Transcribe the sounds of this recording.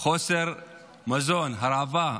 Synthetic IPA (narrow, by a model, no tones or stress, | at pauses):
xoseɾ | mɐzonɦaɾaːva